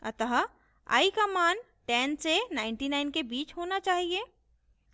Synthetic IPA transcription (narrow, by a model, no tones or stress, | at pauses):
ə̰t̪əɦ | a̰ːikamaːn | ʈɛ̃ːnsenaːɪɳʈinaɪnkebiːt͡ʃɦoːnat͡ʃaːɦie